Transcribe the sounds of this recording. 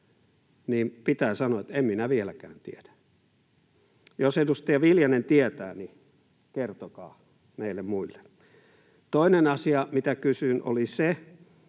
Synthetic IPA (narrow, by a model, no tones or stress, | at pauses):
niːmpit̪æːsɑnoɑet̪emminæʋielækæ̰ːnt̪ḭæd̥æ̥ | josedust̪ɑɑʋiljɑnent̪iæt̪æ̰ːni | kert̪okɑ̰ː | meilːemmuilːe̥ | t̪oinenɑsiɑmit̪ækysyno̰lise